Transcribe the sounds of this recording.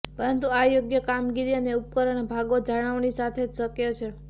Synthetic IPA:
pəɾənt̪uajoɡjəkamɡiɾiəneup̚kəɾəɳ̃bʱaɡod͡ʒaɽ̃əʋnisat̪ʰed͡ʒsəkjot͡ʃʰe

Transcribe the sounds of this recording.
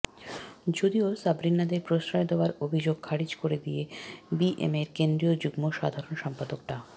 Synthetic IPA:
d͡ʑod̪iosabɾinːad̪eɾpɾosɾaed̪eoaɾobʱid͡ʑoɡ̚kʰaɾid͡ʑkoɾed̪ijebiʔḛmeɾkend̪ɾiod͡ʑuɡmoʃad̪ʱaɾonʃɔmpad̪ok̚ʈa

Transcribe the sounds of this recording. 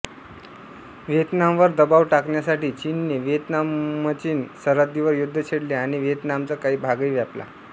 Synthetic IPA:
ʋet̪namʋəɾd̪əbaʋʈakɳjasaʈiːt͡ɕinːeʋet̪namːət͡ɕiːnsəɾat̪̚d̪iʋəɾjud̪ʱːət͡ɕʰeɽleaɽ̃iʋet̪namt͡səkaɦiːbʱaɡəiʋjapla̰

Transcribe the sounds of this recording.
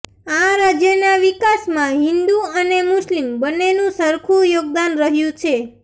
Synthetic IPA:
aɾad͡ʒjənaʋikasmãɦɪ̃nd̪uənemʊslimbənːenũsəɾkʰujoɡ̚d̪anɾəɦjũt͡ʃʰe

